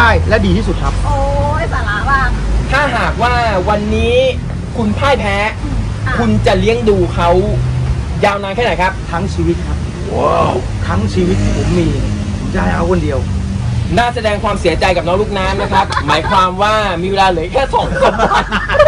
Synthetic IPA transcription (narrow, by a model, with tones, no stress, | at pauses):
aː˥˩jlɛ˦˥wdiː˧t̪ʰiː˥˩su˨˩kʰa˦˥p̚ː | t̪ʰaː˥˩ɦaː˨˩k̚waː˥˩wa˧nːiː˦˥ | kʰu˧npʰaː˥˩jpʰɛː˦˥ | kʰu˧nt͡ɕa˨˩li˦˥əŋduː˧kʰa˦˥w | jaː˧wnaː˧nkʰɛː˥˩na˨˩jkʰa˦˥p̚t̪ʰa˦˥ŋt͡ɕʰiː˧wt̪̚kʰa˦˥p̚ | ʔo˦˧˩ | t̪ʰa˦˥ŋt͡ɕʰiː˧wi˦˥t̪̚nʰi˧˩pʰo˩˦mːiː˧˩˦ | t͡ɕaː˥˩jʔa˦˥˩wkʰo˧ndi˧əwnaː˥˩sa˧dɛː˧ŋkʰwaː˧msi˨˩˦ɐt͡ɕa˧jka˨˩p̚nɔ˦˥ŋluː˥˩k̚naː˦˥mna˦˥kʰɾa˦˥p̚maː˩˦jkʰwaː˧mwaː˥˩miː˧weː˧laː˧lɤː˨˦jkʰɛː˥˩sɔː˨˦ŋsoː˧˩˦ma˥˩